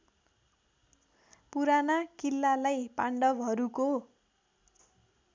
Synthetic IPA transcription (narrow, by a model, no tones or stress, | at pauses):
puɾanakilːalajpaɳɖʌbɦʌɾuko